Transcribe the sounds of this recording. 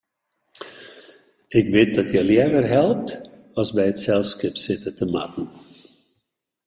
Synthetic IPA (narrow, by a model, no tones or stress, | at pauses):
ɪk̚bɪt̚dɔtʰjəljɛdərɦɛlˠəp̚t | ɔlˠsbɛjətsɛlˠskɪpsɪtətəma̰tn̩